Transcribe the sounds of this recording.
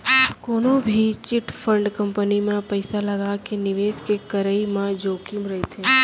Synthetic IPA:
koːnõbʱit͡ʃɪʈfʰə̃ɳɖkɐ̃mpənimẽpɐɪsalɐɡakenɪʋeːskekɐɾəimẽd͡ʒoːkjmɾɐɦet̪ʰẽː

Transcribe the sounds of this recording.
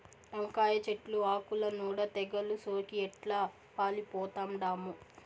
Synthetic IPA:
ɐŋkaːjɐt͡ʃeʈluaːkulɐnuːɽɐt̪ɛɡɐlusoːkiɛʈlaː | paːlipɔːt̪aːmɖaːmu

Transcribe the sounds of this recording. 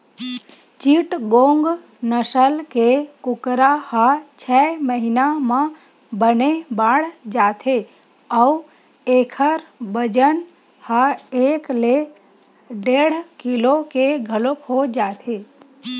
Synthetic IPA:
t͡ʃiʈɡõŋɡ | nəʃəlkekʊkɾahat͡ʃʰɛməɦinamã | bənebaɽd͡ʒat̪ʰe | əu | ekʰəɾbəd͡ʒən | haekle | ɖeɽkilokeɡʱəlopʰod͡ʒat̪ʰe

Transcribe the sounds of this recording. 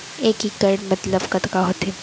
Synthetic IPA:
eːkikɐɾɖmɐt̪ləbkɐt̪kaɦoːt̪eː

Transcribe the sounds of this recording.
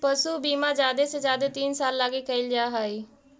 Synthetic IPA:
pəsuːbiːmãːd͡ʒaːd̪eːsed͡ʒaːd̪eːt̪iːnsaːlːaːɡeːkəɪld͡ʒaːɦaːiː

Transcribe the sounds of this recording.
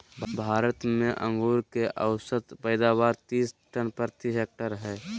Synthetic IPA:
bʱaːɾət̪mẽʔə̃ŋɡuːɾkeʔəwsət̪pəɪd̪aːbaːɾt̪iːsʈənpəɾt̪iɦek̚ʈəɾɦɛː

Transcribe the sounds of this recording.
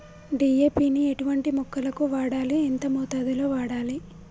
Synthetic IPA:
ɖiːjeːpiːnieʈuʋɐɳʈimukʰːɐlɐkuʋaːɽaːlient̪ɐmɔːt̪aːd̪ulo̞ːʋaːɽaːli

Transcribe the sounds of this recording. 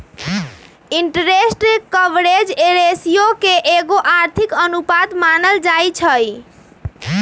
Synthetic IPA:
iɳʈəɾesʈkəʋɾed͡ʒeɾesijokeʔeɡoʔaɾt̪ʰikənupad̪manəld͡ʒajt͡ʃʰəj

